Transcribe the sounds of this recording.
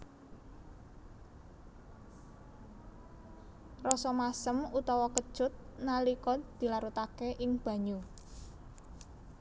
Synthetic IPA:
rɔsɔmasəmut̪ɔwɔkəd̥ʒ̥ʊt̪̚nalikɔd̪̥i̤laɾut̪akeʔɪŋb̥ä̤ɲu

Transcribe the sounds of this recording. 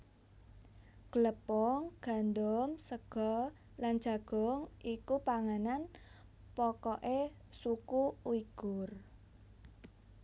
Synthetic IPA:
ɡ̥ələpɔŋɡ̥a̤nd̪ɔmsəɡ̥ɔ | land̥ʒ̥a̤ɡ̥ɔ̤ŋʔikupaŋanan | pɔkɔʔe | sukuwiɡ̥ʊr

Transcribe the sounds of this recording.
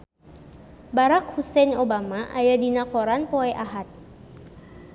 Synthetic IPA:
baɾak̚husɛnobamaʔajadinakoɾanpoɛʔaɦat̪̚

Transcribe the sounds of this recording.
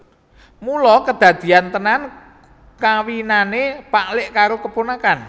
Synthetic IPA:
mulɔkəd̪̥a̤d̪̥i̤ant̪ənan | kawinanepaʔlɪʔkaɾokəponakan

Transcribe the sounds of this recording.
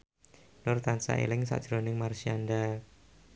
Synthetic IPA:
nʊrt̪ansa̰ʔḛlɪŋsa̰ʔd̥ʒ̥ɾonɪŋmarsianda

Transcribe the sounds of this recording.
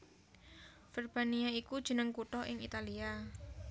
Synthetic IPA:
fɛrb̥aniaikud̥ʒ̥ə̤nəŋkuʈɔʔɪŋḭt̪alia

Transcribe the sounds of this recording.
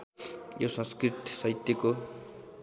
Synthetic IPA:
jowsʌ̃ŋskrit̪sʌjt̪ːeko

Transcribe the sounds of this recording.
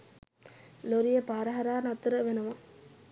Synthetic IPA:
loɾɪjɐpaːɾɐɦɐɾaːnɐt̪ːɯɾɐʋɛnɐʋɐ

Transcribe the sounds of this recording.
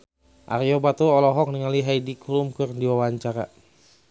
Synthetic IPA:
ʔa̰rjobat̪uɔlɔɦɔk̚niŋaliɦajdikʰulumkɨrdiwawaɲt͡ʃaɾa̰

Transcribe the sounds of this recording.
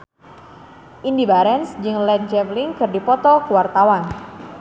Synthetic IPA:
ʔindibaɾɛnsd͡ʒɨŋlɛt̪̚d͡ʒɛvliŋkɨrdipɔt̪ɔkuwart̪awan

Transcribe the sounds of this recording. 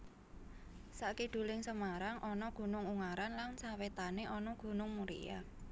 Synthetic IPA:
saʔkiɖ̥ṳlɪŋsəmaɾaŋʔɔnɔɡ̥ṳnʊŋuŋaɾanlansawet̪aneʔɔnɔɡ̥ṳnʊŋmuɾḭja̰

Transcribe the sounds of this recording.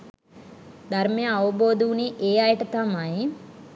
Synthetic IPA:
d̪ʱɐɾmejaːʋɐboːd̪uwuniʔeːajɐʈɐt̪ɐmaji

